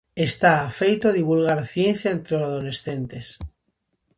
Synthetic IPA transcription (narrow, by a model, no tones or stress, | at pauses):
est̪aːfejt̪oðiβulɣ̞aɾθje̞n̟θjaent̪ɾeosaðole̞sθent̪e̞s